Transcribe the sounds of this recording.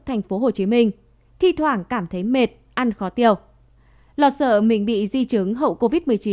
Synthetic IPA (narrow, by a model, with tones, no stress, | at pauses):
t̪ʰa˨˩jŋ̟fo˨˦ɦo˨˩t͡ɕi˨˦mï˧ŋ̟ | t̪ʰi˧t̪ʰwaː˧˩ŋkaː˧˩mt̪ʰə˨˦jme˨˩t̚ʔa˧nxɔ˨˦t̪i˧˩əw | lɔ˨˩t̚sə̰ː˧˨mï˨˩ŋ̟ɓḭ˧˨zi˧t͡ɕɨ˨˦ŋɦə̰˧˨wko˧vi˦˥t̚m˨˩əjt͡ɕi˨˦